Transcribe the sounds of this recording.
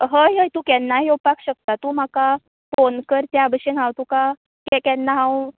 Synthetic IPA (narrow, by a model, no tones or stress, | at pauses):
ɦəjɦəjt̪ũːkɛnːaɦiopakɕək̚t̪at̪ũːm̤aka | fonkəɾt͡ɕabəɕənɦãwt̪ũka | kɛkɛnːaɦãw